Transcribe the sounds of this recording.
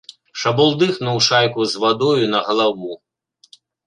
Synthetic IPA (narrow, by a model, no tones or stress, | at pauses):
ʃɐbɔlˠd̪ɨxnuwʂajkuzvad̪ɔjunɐɣɐlˠaʋu